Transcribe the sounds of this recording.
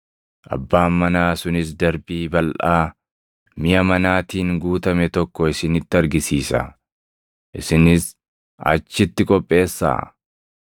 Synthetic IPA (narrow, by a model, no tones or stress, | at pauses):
ʔɐ̰bːaːmːɐnaːsʊnɪs̬d̪ɐɾbiːbɐlʔaː | mɪjɐmɐnaːt̪iːŋɡuːt̪ɐmɛt̪ɔkːɔɪsɪnɪt̪ːɪɐɾɡɪsiːsɐ̰ | ʔɪsɪnɪs | ɐ̰t͡ʃːɪt̪ːɪkʼɔpʼːe̞ːsːa̰ː